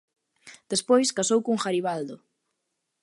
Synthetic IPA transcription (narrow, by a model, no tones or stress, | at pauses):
d̪̥espojskasowkuŋxaɾiβald̪ʊ